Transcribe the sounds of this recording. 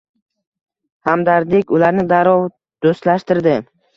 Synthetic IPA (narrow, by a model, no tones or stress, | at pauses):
hamd̪aɾd̪ɪkʲʊlaɾnɪd̪aɾɒw | d̪̥ost̪laʃt̪ɪɾd̪ɪ